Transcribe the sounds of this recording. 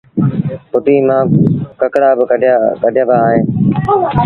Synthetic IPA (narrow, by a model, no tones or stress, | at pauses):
pʊʈiːmãːkəkɽaːbɪkəɖʱjãːbaːɦẽː